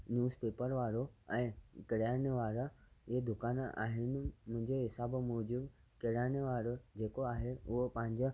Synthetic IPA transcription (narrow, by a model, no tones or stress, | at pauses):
njuːzpeːpəɾʋaːɾoɛ̃ːkɪɽiaːɽ̃eʋaːɾəɪɦed̪ʊkaːna̰ːɦɪnɪ̆mʊ̃ɦɪ̃ɲd͡ʑeɦɪsaːbmɔːd͡ʑub | kɪɽaːɽ̃eʋaːɾod͡ʑeːkoaːɦeʊɦopɐ̃ɦɪ̃ɲd͡ʑə